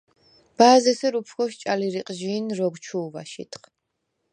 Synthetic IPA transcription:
b̥aːzɛsɛɾupʰkɔʃt͡ʃʼaliɾiqʼʒiːnɾɔɡt͡ʃʰuːva̰ʃḭt̪ʰχ

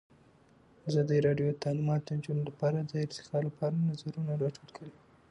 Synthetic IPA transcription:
azɑd̪əɾɑɖjod̪ət̪ʰalɪmɑt̪od̪ənd͡ʒunolapɑɾad̪əɪɾt̪ɪ̥kɑlapɑɾanazaɾunaɾɑʈʰuɽkʰəɽi

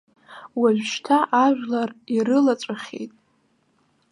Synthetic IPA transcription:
waʒʷᶣʃtʰaʔaʒʷᶣlariɾɨlat͡sʷʼaχʲḛjtʼ

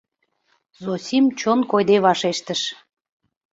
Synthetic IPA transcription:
zosʲimt͡ɕonkojd̪eβɑʃeʃt̪əʃ

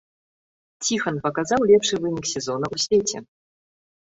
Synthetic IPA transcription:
t͡sʲixɐnpɐkazawlʲɛpʂɨvɨnʲiksʲɛzɔnɐʔusʲvʲet͡sʲɛ̰

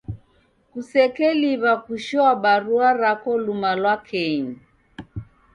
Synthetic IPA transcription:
kusɛkɛliβakuʃɔaɓaɾuaɾakɔlumalwakʰɛɲi

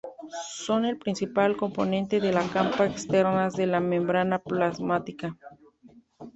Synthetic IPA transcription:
so̞ne̞lpɾinsipalko̞mpo̞nent̪e̞ðelakampaekst̪eɾnazðelamẽmbɾanaplazmat̪ika

